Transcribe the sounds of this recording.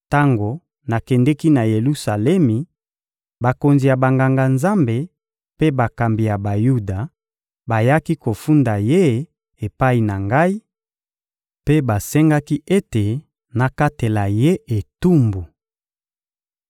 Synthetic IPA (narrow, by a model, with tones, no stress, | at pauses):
ta˦ŋɡo˨ | na˨kɛ˨ndɛ˦ki˦na˨je˨lu˦sa˨lɛ˦mi˨ | ba˨ko˨nzi˨ja˨ba˨ŋɡa˨ŋɡa˨nza˦mbe˨ | pe˦ba˨ka˨mbi˨ja˨ba˨ju˦da˨ | ba˨ja˦ki˦ko˨fu˦nda˨je˦ | e˨pa˦i˨na˨ŋɡa˦i˦ | pe˦ba˨sɛ˦ŋɡa˦ki˦ʔe˦te˨ | na˨ka˦te˨la˨je˦e˨tu˦mbu˨